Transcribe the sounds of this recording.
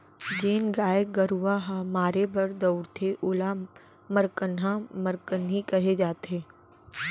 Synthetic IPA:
d͡ʒeːnɡaːjeɡəɾuʋaɦamaːɾebʱɐɾd̪ɔʊɽt̪ʰeʔoːla | məɾkənɦãməɾkənɦikɐɦed͡ʒaːt̪eː

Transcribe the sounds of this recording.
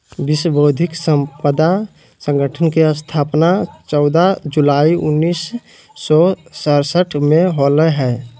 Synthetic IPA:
bɪsboːd̪ʱɪksə̃mpəd̪a | sə̃ŋɡəʈʰənkeəst̪ʰaːpnat͡ʃɔʊd̪ad͡ʒulaːiʊnːiːsː | ɔsəɾsəʈʰmẽɦoːləɦɛː

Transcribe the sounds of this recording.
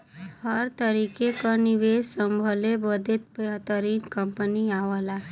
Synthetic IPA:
həɾt̪əɾikekaniʋeːd͡ʒsə̃mbʱəlebəd̪et̪̚bt̪əɾiːnkə̃mpəniaʋəla

